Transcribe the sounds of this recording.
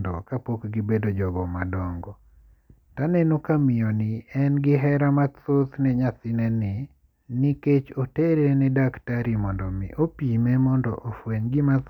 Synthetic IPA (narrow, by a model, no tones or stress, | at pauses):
dɔ̰kapokɡɪbedod͡ʒɔɡɔmadɔŋɡɔ | tanɛnokamɪjɔnɪɛnɡɪɦɛɾamat̪ot̪nɛɲasɪnɛnɪ | niket͡ʃoteɾenɛdaktaɾimɔndɔmɪ̰ʔopimɛmɔndɔ̰ʔofweɲɡɪmat̪